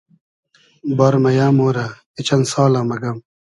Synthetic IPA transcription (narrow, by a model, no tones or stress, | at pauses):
bɐɾmɐjaːmoːɾa | it͡ɕɐnsaːlãːmɐɡɐm